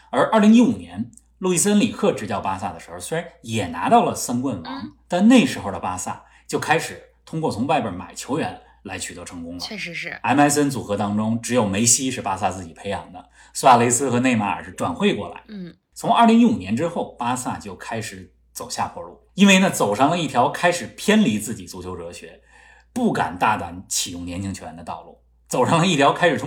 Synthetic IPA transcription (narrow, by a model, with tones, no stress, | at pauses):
ə˞˧˥ʔə˞˥˩li˧˥ŋi˥u˨˩njɛ̰˧˥n | lu˥˧i˥˩s̬ə˥nli˨˩kʰɤ˥˩ʈ͡ʂɻ̩˧˥t̪jɑ˥˩ʊpa˥sa˥˩d̪ə˩ʂɻ̩˧˥xʊse˥˧a˧˥njɛ˨˩na̰˧˥t̪ɑ˥˩ʊlə˩sə˥nkwə˥˩nwɑ̰˧˥ŋt̪a˥˧nne˥˩ɪʂɻ̩˧˥xo˧˩ʊd̪ə˩pa˥sa̰˥˩ | t͡ɕjo˥˩ʊkʰa˥ɪʂɻ̩˨˩˦ | t̪ʰʊ˥ŋkwɔ˥˩t͡sʰʊ˧˥ŋwa˥˩ɪpə̰˞˨˧˩ma̰˨˩ɪt͡ɕʰjo˧˥ʊɥɛ̰˧˥n | la˧˥ɪt͡ɕʰy˨˩t̪ɤ˧˥ʈ͡ʂʰɤ˧˥ŋkʊ˥ŋlə̰˧˥a˧˥ɪma˧˥ɪs̬ə˥nt͡su˨˩xɤ˧˥t̪ɑ˥ŋʈ͡ʂʊ˥ŋʈ͡ʂɻ̩˧˥jo˨˩ʊme˧˥ɪɕi˥ʂɻ̩˥˩pa˥sa˥˧t͡sɹ̩˥˩t͡ɕi˨˩pʰe˧˥ɪjɑ̰˨˧˥ŋd̪ə˧ | su˥a˥˩le˧˥ɪsɹ̩˥xɤ˧˥ne˥˧ɪma˥˩ə̰˞˨˩ʂɻ̩˥˩ʈ͡ʂwa̰˨˩nxwe˥˧ɪkwɔ̰˥˩la̰˧˥ɪ | t͡sʰʊ˧˥ŋɐ˞˥˩li˧˥ŋi˧˥u˨˩njɛ˧˥nʈ͡ʂɻ̩˥xo˥˩ʊpa˥sa̰˥˩t͡ɕjo˥˩ʊkʰa˥ɪʂɻ̩˧˥ | t͡so˨˩ʊɕja̰˥˩xʰwɔ˧˥lu˥˩i˥nwe˥˧ɪna˥˩t͡so˨˩ʊʂɑ˥˩ŋlə˩i˥˩t̪ʰjɑ˧˥ʊkʰa˥ɪʂɻ̩˨˩pʰjɛ˥nli˧˥t͡sɹ̩˥˩t͡ɕi˨˩t͡su˧˥t͡ɕʰjo˧˥ʊʈ͡ʂɤ˧˥ɕɥɛ̰˧˥ | pu˥˩ka̰˨˩nt̪a˥˩t̪wa̰˧˥nt͡ɕʰi˨˩jʊ˥˩ŋnjɛ˧˥nt͡ɕʰi˥ŋt͡ɕʰo˧˥˩ɛ˧˥nd̪ə˧t̪ɑ˥˧ʊlṵ˥˩ | t͡so˨˩ʊʂɑ˥˩ŋlə˧i˥˩t̪ʰjɑ˧˥ʊkʰa˥ɪʂɻ̩˨˩t̪ʰ